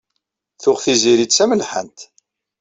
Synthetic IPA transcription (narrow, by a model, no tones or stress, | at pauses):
θʊʁθiziɾit͡sːæməlħə̰nt̪